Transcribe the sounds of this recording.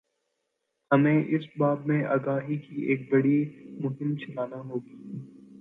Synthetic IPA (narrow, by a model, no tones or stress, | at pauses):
hɐmẽʔɪsbaːbmẽʔa̰ːɡaːɦikieːk̚bɐɽimʊɦɪ̃mt͡ʃʰɐlaːnaɦoːɡiː